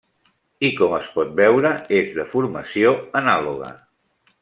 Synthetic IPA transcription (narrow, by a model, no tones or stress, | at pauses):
ikɔməspɔt̪̚bɛwɾəezðəfuɾməsioənaluɣə̰